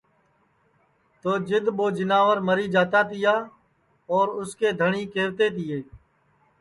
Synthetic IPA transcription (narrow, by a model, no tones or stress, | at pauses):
t̪oːd͡ʒɪd̪ɓoːd͡ʒɪnaːʋəɾməɾiːd͡ʒaːt̪aːt̪ɪjaː | ɔːɾʊskeːd̪ʱəɳiːkeːɾt̪eːt̪ɪjeː